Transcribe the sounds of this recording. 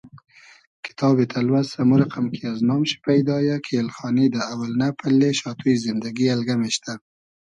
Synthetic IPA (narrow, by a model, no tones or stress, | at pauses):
kʰɪ̥t̪ʰɑbet̪ʰalwazsamuɾaqamkiaznɑmʃi̥pajd̪ɑjakʰelxɑnid̪əawalnapalːeʃɑt̪uizɪnd̪aɡialɡameʃt̪a